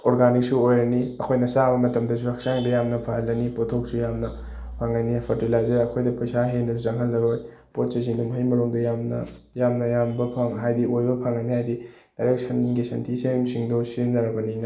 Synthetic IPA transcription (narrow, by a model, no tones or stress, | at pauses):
oɾɡanik̚suojɾɐniɐkʰojnɐsabɐmɐtɐmdɐs̬uɾɐk̚saŋdɐjamnɐpʰaɦɐlːɐnipotʰok̚sujamnɐ | pʰaŋajnipʰɐɾtilajzeɾɐkʰojdɐpʰɐjsaɦendɐsuzɐŋɦɐlːɐɾoj | pot̚t͡ʃɐziŋdumɦɐjmɐɾuŋdɐjamnɐ̰ | jamnɐjambɐpʰaŋɦajdiʔojbɐpʰaŋajniɦajdi | d̥ajɾek̚sʰɐnɡisɐntʰiseŋsiŋdosinːɐɾɐbɐninɐ